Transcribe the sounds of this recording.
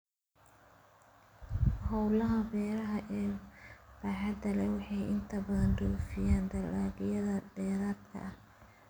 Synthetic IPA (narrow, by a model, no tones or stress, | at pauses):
hɔwlɐɦɐbɛːɾɐɦɐʔɛːb̥ɐħɑd̪ɐlɛwɑħɑjʔɪnt̪ʰɐbɐðɐnduːfɪjaːnd̪ɐlːaːɡɪjɐðɐd̪ɛːɾaːt̪kʰɐ̰ʔɐh